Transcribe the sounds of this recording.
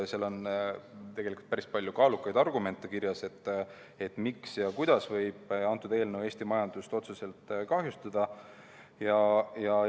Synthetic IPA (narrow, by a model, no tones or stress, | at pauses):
selo̞n | t̪e̞ɡ̥e̞likult̪pæɾispɑlʲjukɑːlukːˑɑjd̪̥ɑrɡume̞nt̪ːˑe̞kirjɑse̞t̪ːˑ | e̞t̪ːˑmiksjɑkujd̪̥ɑsvɤjb̥ɑnt̪ːˑud̪̥e̞ːlnewe̞ːst̪imɑjɑnd̪̥ust̪o̞t̪sese̞lt̪kɑɦjust̪ɑd̪̥ɑ | jɑjɑ